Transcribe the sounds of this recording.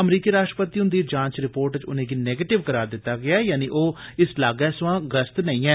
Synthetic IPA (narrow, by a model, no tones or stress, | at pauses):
əmɾiːkiːɾaːʃʈɾəpət̪iːɦʊnd̪iːd͡ʒãːɲt͡ʃɾɪpoːɾʈt͡ʃʊ̰nẽːɡiːnɛːɡeːʈɪʋkəɾaːɾd̪ɪt̪ːaːɡɪaːjaːniːʔoːɪslaːɡɛːsʋãːɡɾəst̪nəĩːɛː